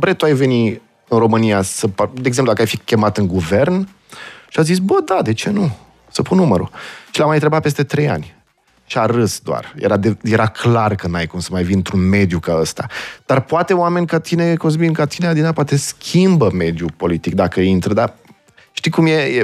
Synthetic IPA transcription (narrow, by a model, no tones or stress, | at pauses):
bɾet̪uajve̞ni | ɨnro̞mɨnijasəpd̪eeɡzemplud̪akəajfikʲe̞mat̪ɨŋɡuvern | ʃiazis̬bəd̪ad̪e̞t͡ʃe̞nu | səpunːuməɾṵʃilamajt̪ɾe̞bat̪pest̪e̞t̪ɾe̞ja̰nʲ | ʃiaɾɨsd̪oa̰rjḛɾad̪eje̞ɾakʰlarkənajkumsəmajvinɨnt̪ɾunme̞d̪jukaəst̪a̰d̪̥arpoat̪e̞oame̞nʲkat̪inekons̬binkat̪inead̪inapoat̪e̞skʲʰimbəme̞d̪jupo̞lit̪ik̚d̪akəint̪ɾəd̪a | ʃt̪ikumje̞je